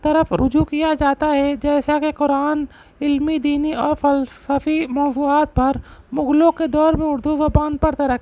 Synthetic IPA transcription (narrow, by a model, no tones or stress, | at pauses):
t̪ɐɾəfʰɾʔʊ̰d͡ʒukijad͡ʒaːt̪aɦɛd͡ʒɛːsakeqʊɾaːn | ɪlmid̪iːniɔːɾfəlsaːfimɔːzuːaːt̪̚pɐɾmʊɡlõked̪ɔːɾmẽʊɾd̪usobãːnd̪̚pɐɽt̪aɾɐ